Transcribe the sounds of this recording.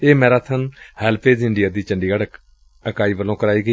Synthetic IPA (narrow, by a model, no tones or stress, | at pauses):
eːmɛ̃ːɾaːt̪ʰənhɛːlpʰeːzɪɳɖɪjaːd̪iːt͡ʃəɳɖiːɡəɽ | əkaːiːʋəlõːkəɾaːiːɡəiː